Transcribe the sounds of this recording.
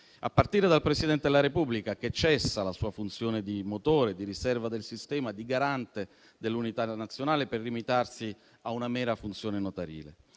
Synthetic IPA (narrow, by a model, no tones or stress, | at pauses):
a̰pːart̪iːɾed̪alpɾesid̪ɛnt̪ed̪elaɾepubːlikak̟et͡ʃːɛsːalasuːafunt̪sjoːned̪imot̪oːɾed̪iɾisɛrvad̪elsist̪ɛːmad̪iɡaɾant̪e | d̪elːunit̪anat̪sːjonaːleperːimit̪arsi | aunamɛːɾafunt̪sjoːnenot̪aɾḭːlḛ